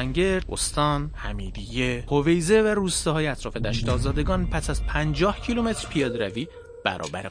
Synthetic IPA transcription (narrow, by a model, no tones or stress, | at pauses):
æŋɟe̞ɾd̪ʔo̰st̪ɒːnhæmiːd̪ijehove̞jze̞væɾuːst̪ɛhɒːjeæt̪ɾɒːfe̞d̪æʃt̪ɒːzɒːd̪e̞ɡɒːnpʰæsæzpʰænd͡ʒɒːhcʰilume̞t̪ʰɾpʰijɒːd̪ɾæviː | b̥æ̰ɾɒ̰ːbæɾ